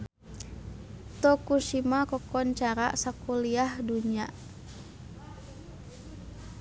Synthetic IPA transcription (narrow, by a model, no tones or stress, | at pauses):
t̪ɔkuʃimakɔkɔnt͡ʃaɾa̰sakuliahduɲiaʔ